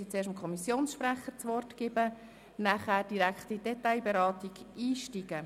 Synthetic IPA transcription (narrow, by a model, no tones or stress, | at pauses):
it͡seːʃtmkʰɔmisjoːnsʃpɾæχəɾt͡sʋɔrtɡ̥ɪbə | næχæːɾd̥iɾækχtidɛtaɪjbeɾɑːtiɡiːʃtiɡ̥ə